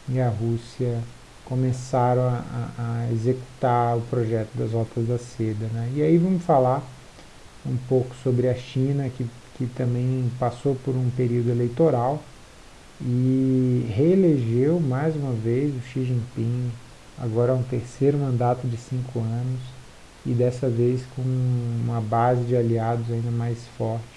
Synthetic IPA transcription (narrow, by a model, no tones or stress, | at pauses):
ɪɐɦusiɐ | kõmesaɾɐ̃w̃ɐʔa̰ːezeku̥t̪aɾʊpɾoʒɛt̪ʊd̪ɐzɔt̪ɐzd̪ɐsed̪ɐnɛɪaivɐ̃mʊsfalaɾ | ũpowkʊ̥sobɾɪɐʃĩnɐkɪ | kɪt̪ɐ̃mbẽj̃pasowpʊɾũpeɾiwd̪ʊelejt̪oɾaw | ɪ | heeleʒewmajzũmɐvejzʊʃiʒĩpĩ | a̰ɡɔɾɐɛũt̪eɾsejɾʊmɐ̃nd̪at̪ʊd͡ʒɪsĩŋkʊɐ̃nʊs | ɪd̪ɛsɐvejskõũmɐbazɪd͡ʒɪaliad̪ʊzaĩnd̪ɐmajsfɔɾt͡ʃɪ̥